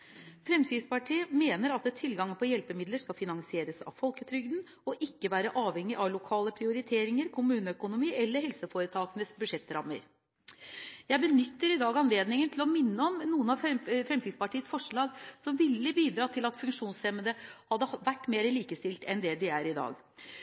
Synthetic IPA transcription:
fɾɛmsɪspɑʈʰiːəmeːnəɾɑt̪ɛt̪ʰːɪlɡɑŋnpʰɔjɛlpəmɪd̪ləʂkɑfɪnɑŋsɪeːɾəsɑ̰ʋfɔlkət̪ʰɾʏɡd̪n | ɔʔɪkːəʋæːɾəʔɑːʋhɛŋːɪʔɑʋlʊkʰɑːləpʰɾɪʊɾɪt̪ʰeːɾɪŋəɾkʰʊmʉːnəœkʊnʊmiːʔɛlːəɾɦɛlsəfoːɾət̪ʰɑːkənəsbʉʂɛt̪ːɾɑmːə̰ɾ | jæɪbənʏt̪ːəɾɪd̪ɑːɡɑnleːd̪nɪŋənt̪ʰɪlɔmɪnːəɔmnuːənɑʋfɾɛmsɪɡ̪spɑʈʰiːəsfɔʂɭɑːɡsɔmʋɪlːəbiːd̪ɾɑːt̪ʰɪlɑt̪fʉŋkʂuːnsɛmənd̪əhɑd̪ːəʋæʈːmeːɾəliːkəst̪ɪlt̪ɛnd̪ɛd̪ɪæɾɪd̪ɑ̰ːɡ

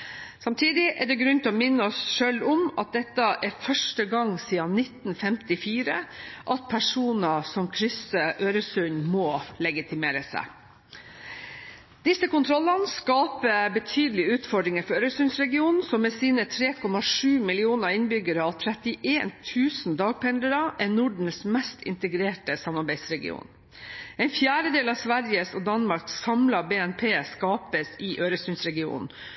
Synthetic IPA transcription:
sɑmt̪ʰiːd̪ɪʔɛɖɛɡɾʉnt̪ʰɪɔmɪnːəɔsʂøːlʊmɑ̰t̪̚d̪ɛt̪ːəʔɛɾfœʂʈəɡɑŋsiːɑnɪt̪nfɛmt̪ɪfiːɾəʔɑt̪̚pʰæʂuːnəsɔmkʰɾʏsəʔøːɾəsʉnmoːlɛɡɪt̪ɪmeːɾəsæ̰ɪ | d̪̥ɪsːəkʊnt̪ʰɾɔlːɑnskɑːpəbət̪ʰyːd̪əlɪəʉːt̪fɔɖɾɪŋəɾfɔɾøːɾəsʉnsɾɛɡɪuːnn̩sɔmːeːsiːnət̪ʰɾeːkʰɔmɑʂʉːmɪlɪuːnəɾɪnbʏɡəɾəɑʋt̪ʰɾɛt̪ɪʔeːnt̪ʰʉːsn̩d̪ɑːɡ̚pʰɛnd̪əɾɑʔɛnʊɖɳ̩smɛst̪ʰɪ̰nt̪əɡɾeːʈəsɑmɑɾbæɪsɾɛɡɪ̰ṵːn | ɛɪnfjæːɾəd̪eːlɑːsʋæɾjəsod̪ɑnmɑɾksɑmlɑbeːɛnpʰeːskɑːpəsɪʔøːɾəsʉnsɾɛɡɪṵːnn̩

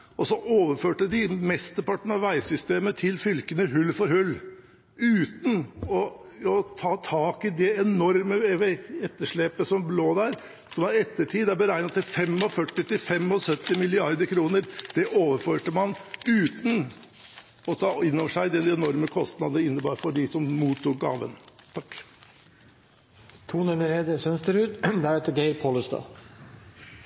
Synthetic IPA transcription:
ɔsɔʔoːʋəɾføːʈəd̪ɪmɛst̪əpɑʈːəɳɑʋæɪsʏst̪eːmət̪ʰɪlfʏlkənəɦʉlːfɔɾhʉlː | ʉːt̪n̩ɔ | ɔt̪ʰɑːt̪ʰɑːkɪd̪ɛɛnɔɾməʋɛɛt̪ːəʂɭeːpəsɔmbloːd̪æɾ | sɔmɑɾɛt̪ːəʈʰiːd̪ɑbəɾæɪnɑt̪ːɪlfɛmɔfœʈːɪt̪ɪfɛmɔsœt̪ːɪmɪlɪɑɾd̪əɾkʰɾuːnəɾd̪̥ɛʔoːʋəɾføːʈəmɑnʉːt̪n̩ | ɔt̪ʰɑːɪnːɔːʋəʂæɪd̪ɛnɛnɔɾməkʰɔst̪nɑd̪əɪnːəbɑːɾfɔɖɪsɔmmuːt̪ʰːuːk̚ɡɑ̰ːʋə̰nt̪ʰɑkː | t̪ʰuːnɛnəɾed̪əsœnst̪əɾʉːt̪d̪ɛæɾɛt̪ːəɡeɪɾpʰɔləst̪ɑ̰

